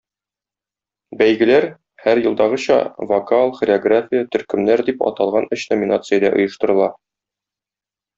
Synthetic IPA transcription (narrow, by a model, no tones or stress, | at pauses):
bæjɡɘ̆læɾ | hæɾjɤ̆lˠd̪ɑʁɤ̆ɕɑ̰vokalˠχrʲɪoɡrafʲijət̪ɵ̆ɾkɘ̆mnæɾd̪ipɒ̰t̪ɑlˠʁɑnɘɕnomʲinat̪sɨjəd̪ɑʔŏjɤ̆ʃt̪ɤ̆ɾɤ̆lˠɑ